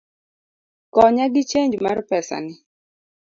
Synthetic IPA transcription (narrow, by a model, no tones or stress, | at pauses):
kɔɲaɡɪt͡ʃeɲd͡ʒma̰ɾpɛsa̰nɪ